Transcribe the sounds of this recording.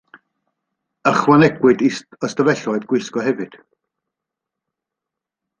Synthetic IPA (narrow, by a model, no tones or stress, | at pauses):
əχwanɛɡwɨdiɔstəvɛɬɔɨdɡwɪskɔhɛvɨd̥